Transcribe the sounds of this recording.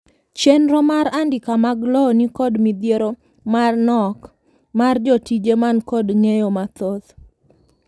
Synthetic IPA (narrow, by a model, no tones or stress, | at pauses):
t͡ʃenɾɔmaɾandɪkamaɡlɔnikɔdmid̪jeɾo | marnɔk | mard͡ʒɔtid͡ʒemankɔdŋejomat̪ot̪